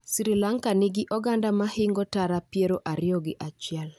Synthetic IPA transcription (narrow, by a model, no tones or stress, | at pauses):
siɾilaŋkanɪɡɪʔɔɡandamahɪŋɡɔtaɾapjeɾoʔaɾɪɔɡɪʔat͡ʃjɛl